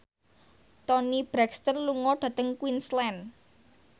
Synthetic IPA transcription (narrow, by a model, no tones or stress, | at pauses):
t̪ɔnib̥ɾɛkst̪ənluŋɔɖ̥ä̤t̪əŋkwinslɛn